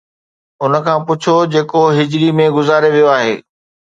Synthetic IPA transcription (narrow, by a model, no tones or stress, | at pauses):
ʊnə̆kʰãːpʊt͡ɕʰod͡ʑeːkoɦɪd͡ʑɾimẽɡʊzaːɾeʋijoaːɦeː